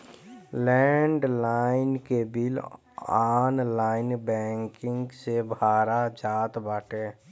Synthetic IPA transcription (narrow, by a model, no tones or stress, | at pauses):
lɛɳɖlaːɪnkebɪl | aːnlaːɪnbɛ̃ːŋkɪ̃ŋɡsebʱaːɾad͡ʒaːt̪baːʈeː